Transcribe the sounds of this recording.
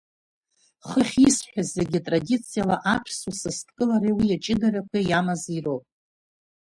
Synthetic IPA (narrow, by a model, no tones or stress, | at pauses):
χəχʲisħʷᶣazːeɡʲitʼradit͡sʰijalaʔapʰsusɨstʰʼkʼɨlaɾewiat͡ʃʼɪdarakʷʰajamazirowpʼ